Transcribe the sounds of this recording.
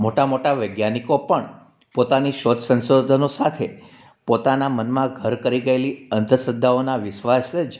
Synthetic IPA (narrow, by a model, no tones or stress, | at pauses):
moʈamoʈaʋəjɡjanikopəɳ | pot̪aniʃot̪sə̃nsod̪ʱənosat̪ʰe | pot̪anamənmãɡʱəɾkəɾiɡəeliənt̪əsəd̪ʱːaonaʋɪʃʋased͡ʒ